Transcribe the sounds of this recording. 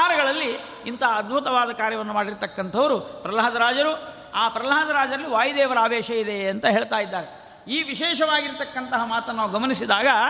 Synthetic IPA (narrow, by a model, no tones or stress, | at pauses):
aːɾɐɡɐɭɐlːi | int̪ʰɐɐːd̪̚bʱut̪ɐʋaːd̪ɐkaːɾjɐʋɐnːumaːɽiɾt̪ɐkːɐnt̪ʰɐʋɐɾupɾɐlaɦɐd̪ɐɾaːd͡ʒɐɾu | aːpɾɐlaɦɐd̪ɐɾaːd͡ʒɐɾɐlːiʋaːjd̪ɛːʋɐɾaːʋɛːʃɐid̪e̞ɐnt̪ɐɦeːɭt̪aːjid̪ːaːɾe | iːʋiʃɛːʃɐʋaːɡiɾt̪ɐkːɐnt̪ɐɦɐmaːt̪ɐnːaːʋuɡɐmɐnisid̪aːɡɐ